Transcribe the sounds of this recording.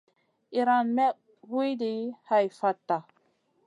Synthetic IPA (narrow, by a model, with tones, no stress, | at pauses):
ʔi˨ɾa˨nmɛ˦ | wi˦jdi˨ha˨jfa˨tːa˨